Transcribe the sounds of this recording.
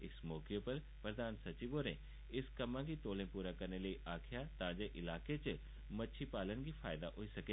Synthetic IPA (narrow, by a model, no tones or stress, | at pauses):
ɪsmɔːkjopəɾ | pɾəd̪aːnsɐt͡ʃiboːɾẽ | ɪskɐmãkit̪oːlẽpuːɾakɐɾneləiʔaːkʰjat̪ãːd͡ʒeʔɪlaːket͡ʃ | mɐtːʃʰipaːlənɡipʰaːɪd̪aʔɦoisɐke